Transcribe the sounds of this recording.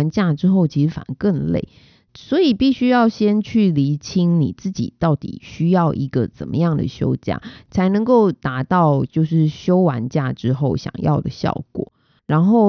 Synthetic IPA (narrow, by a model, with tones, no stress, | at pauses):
nt͡ɕja˥˩ʈ͡ʂɻ̩˥xo˥˩ʊt͡ɕʰi˧˥ʂ̩˧˥fa̰˨˩nkə˥˧nlḛ˥˩ɪ | swɔ˧˥i˨˩pi˥˩ɕy˥jɑ˥˩ʊɕjɛ˥nt͡ɕʰy˥˩li˧˥t͡ɕʰi˥ŋni˨˩t͡sɹ̩˥˩t͡ɕḭ˨˩t̪ɑ˥˩ʊt̪ḭ˨˩ɕy˥jɑ˥˩ʊʔi˧˥ɡ̥ə˨t͡sə̰˨˩nmə̰˦jɑ˥˩ŋd̪ə̰˩ɕjo̰˥ʊt͡ɕja̰˥˩t͡sʰa˧˥ɪnɤ˧˥ŋko˥˩ʊt̪a˧˥t̪ɑ˥˧ʊt͡ɕjo˥˧ʊʂ̬ɻ̩˥˩ɕjo˥ʊwa˧˦nt͡ɕja˥˩ʈ͡ʂɻ̩˥xo˥˩ʊɕjɑ̰˨˩ŋjɑ̰˥˩ʊd̪ə˩ɕjɑ̰˥˩ʊkwɔ̰˨˩˦ | ɻa˧˦˥nxo˥˩ʊ